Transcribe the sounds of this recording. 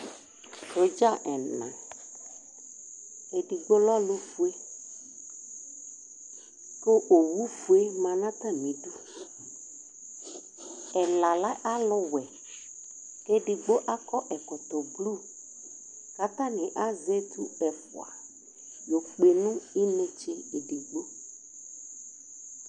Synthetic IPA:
to˨d͡ʒa˦˨ʔɛ˨nã̰˨ | e˨di˨ɡ͡bo˦lɔ˦lʊ˦fu˦e˦ | ko˦ʔo˨wu˦fu˦e˦mã˨nã˦t̪a˦mĩ˨du˦ | ɛ˨la˨la˦ʔa˦lʊ˦wɛ˨ | ke˦di˨ɡ͡bo˦ʔa˦kɔ˦ʔɛ˨kʊ˨t̪ʊ˨blu˦˨ | ka˦t̪a˦nɪ̃˨ʔa˦ze˦tu˦ɛ˨fʊ̰˨a̰˨ | jo˨k͡pe˨nũ˦i˦nẽ˦t͡ʃe˦e˨di˨ɡ͡bo˦

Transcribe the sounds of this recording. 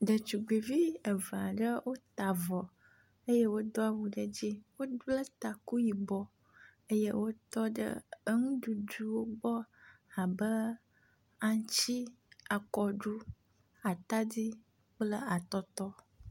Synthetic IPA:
ɖə˨t͡ʃu˨ɡ͡bi˨vi˦ə˨va˨ɖə˦wʔo˦t̪a˨vɔ˨ | ə˦je˦wo˦d̪ɔ˦a˨wu˨ɖə˦d͡ʑi˦wo˦lə˦t̪a˨ku˦ji˨bɔ˦ | ə˦je˦wo˦t̪ɔ˦ɖə̰˦ə˦ŋũ˦ɖu˨du˦wo˦ɡ͡bɔ˦a˨bə˦ | a˨ŋ˦t͡ɕi˦ | a˨kɔ˨ɖu˦ | a˨t̪a˦di˦ | k͡plə˦a˨t̪ɔ˦t̪ɔ˦

